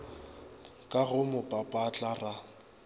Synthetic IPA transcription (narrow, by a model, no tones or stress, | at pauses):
kʼaɣʊmʊpʼapʼat͡ɬʼara